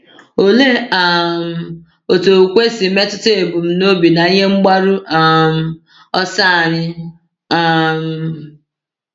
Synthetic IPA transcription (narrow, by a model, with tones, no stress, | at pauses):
o˨le˦a˨m̩˨ | o˨to˨kʷe˦si˨me˦tʊ˦te˨bʊ˨m̩˨no˦bi˨na˨i˦ɲe˦ŋ͡m̩˦ɡ͡ba˦ɾu˦a˦˨m̩˨ | ɔ˦sa˦˨ɲɪ˦ | a˨m̩˨